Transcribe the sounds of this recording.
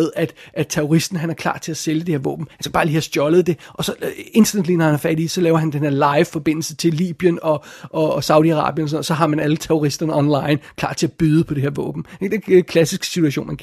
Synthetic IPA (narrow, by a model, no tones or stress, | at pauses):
ðˠæd̥ʔæ̥t͡sʰeʁoʁisd̥n̩ɦænæɐkʰl̥ɑ̰̈ːt͡sʰe̝æseljəd̥e̝he̝ɐʋɔ̰̽ːb̥m̩hænskæb̥ɑ̈ːliːhæsd̥jɒ̽ləð̞̩ˠd̥e̝ʔɒ̽sɒ̽e̝nd̥ɐned̥linɒhænhæɐfæd̥isɒ̽lɛːʊɐɦænd̥enheɐlɑ̈ɪʋfɒ̽b̥e̝n̰l̩sət͡sʰe̝llḭːb̥jənɒ̽ʔɒ̽sɑ̈ʊd̥iɑ̈ʁɑ̰̈ːb̥jənɒs̬noð̩̰ˠsɒ̽ɦɑ̈mænælət͡sʰeʁoʁisd̥ɐnəɒ̽nlɑ̈ɪnkʰlɑ̈ːt͡sʰe̝æb̥yðˠəpʰɒ̽d̥e̝heɐʋɔ̰ːb̥m̩d̥ed̥ekʰlæsisɡ̥sit͡sʰuæɕo̝̰ːnmæn